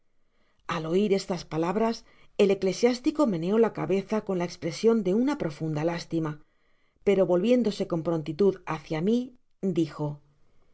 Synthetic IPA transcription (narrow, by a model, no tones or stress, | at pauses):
alo̞iɾe̞st̪aspalaβ̞ɾas | e̞le̞kle̞sjast̪iko̞me̞neo̞lakaβe̞θako̞nlaekspɾe̞sjo̞nd̪e̞unapɾo̞fund̪alast̪ima | pe̞ɾo̞βo̞lβje̞nd̪o̞se̞ko̞mpɾont̪it̪uðaθjami | d̪ixo̞